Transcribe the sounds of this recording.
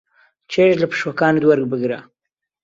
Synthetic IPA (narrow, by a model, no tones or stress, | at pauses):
t͡ʃʰeʃlɐpʰɨ̥ʃwɐkaːnɨd̪wɐɾɡ̚bɨɡɾa